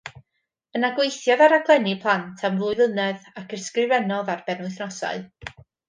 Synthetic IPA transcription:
ənaɡwejθjaðaɾaɡlˠɛnipʰlˠantʰamvlˠʊɨðənɛðakʰərskrɪvɛnɔðarbɛnʊɨθnɔsa̰ɨ

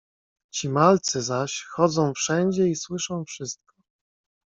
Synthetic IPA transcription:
t͡ɕimalt̪sɘzaɕxɔd̪zɔ̃w̃fʂɛɲd͡ʑɛiswɘʂɔ̃w̃fʂɘst̪̚kɔ̥

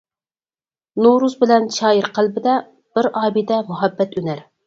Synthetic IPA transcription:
nuɾuzbɪlɛnʃɑːjiɾqʰəlˠbɪd̪ɛ | b̥ɪɾɑːbid̪ɛmuɦɛbːɛt̪ʰynæɾ

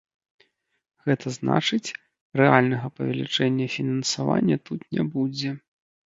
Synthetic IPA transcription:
ɣɛt̪ʰɐzna̰t͡ʂɨt͡sʲ | rɛalʲnɐɣɐpɐvʲɛlʲit͡ʂɛnʲːɐfʲinɐnsava̰nʲːɐt̪ut̪nʲɛbud͡zʲɛ

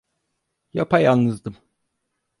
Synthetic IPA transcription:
japʰajalˠnɯzd̪ɯm

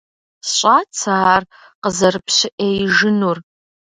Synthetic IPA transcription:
sɕʼaːt͡sʰaar | qəzɐrɨpʰɕɪʔejʒɪnur

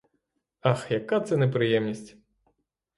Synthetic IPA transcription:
axjakat̪sɛnɛpɾɨjɛmnʲisʲt͡sʲ

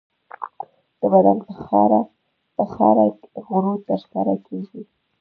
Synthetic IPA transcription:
d̪̥əbad̪anpəxaɾa | pəxa̰ɾad̪əɣɾot̪əɾsaɾakʰeɡi

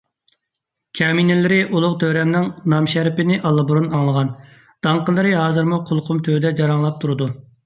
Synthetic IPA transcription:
kʲʰɛminɪlɪɾɪʔulˠʊqt̪ʰøɾɛmnɪŋnɑmʃæɾpɪnɪʔɑlˠːɨbuɾunɑŋlˠəʁɑn | d̪̥ɑŋqəlˠɨɾɨɦɑːzɨɾmuqʰʊlˠqʰʊmt̪ʰød̪ɛd͡ʒɑɾɑŋlˠɑp̚t̪ʰuɾɨd̪u

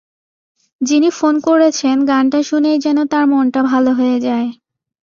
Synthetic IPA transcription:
d͡ʑinifonkoɾet͡ɕʰenɡanʈaʃunejd͡ʑɛnot̪aɾmɔnʈabʱaloɦoed͡ʑae

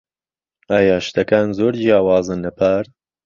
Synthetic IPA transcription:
aːjaːʃt̪ɐkaːnzoːɾd͡ʒijaːwaːzɨnːɐpʰaːɾ

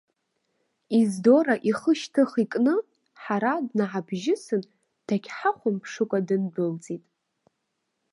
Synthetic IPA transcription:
izdo̞ɾaʔiχəʃtʰɨχikʼnɨ | ħaɾadnaʕabʒɪsɨn | d̥akʲʰʼħaχʷʊmpʰʂɨkʷʼadɨndɨlt͡sʼitʼ

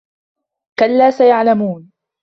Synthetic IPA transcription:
kalːaːsajaʕlamuːn

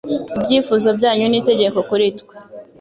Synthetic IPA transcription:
ibɟiːfuzo̞bɟaːɲuniːte̞ɟe̞ko̞kuɾitkwe̥

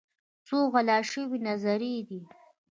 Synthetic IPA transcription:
t͡soɣalɑʃəwinazaɾid̪i

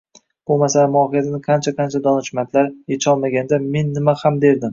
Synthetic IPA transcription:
b̥ʊmasalamʊɒɦijat̪ʰɪnɪqʰɑnt͡ʃʰaqʰɑnt͡ʃʰad̪ɒnɪʃmat̪ʰlaɾjet͡ʃʰɒlˠmaɡʲand̪ame̞nːɪmahamd̪e̞ɾd̪ɪm

